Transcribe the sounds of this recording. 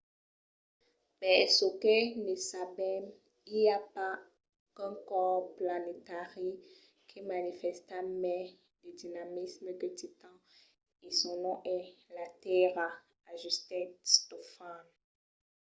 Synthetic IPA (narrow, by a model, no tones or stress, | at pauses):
pɛsəkənesabɛm | iljapa | ɛ̃kɔʁplanet̪aʁi | kʰemanifɛst̪amɛ̃ | ded̪inamismədet̪it̪ɑ̃ | esɔ̃nɔ̃ʔɛlat̪ɛʁa | aʒyst̪ɛtstofan